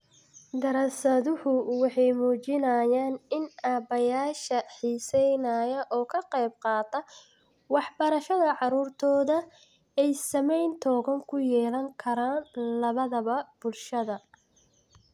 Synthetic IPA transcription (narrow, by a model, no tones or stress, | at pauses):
d̪ɐɾɐsɐðʊhʊwɑħɑjmuːt͡ʃɪnɐjaːnɪnʔaːbɐjaːʃɐħiːsɛjnɐjɐʔɔːkʰɐqɑjb̚qɑːt̪ʰɐ | wɑħbɐɾɐʃɐðɐʕɑɾuːrt̪ʰɔːðɐ | ɛjsɐmɛjnt̪ʰɔːɣɐŋkʰʊjɛːlɐŋkʰɐɾaːnlɐβɐðɐβɐb̥ʊlʃɐðɐ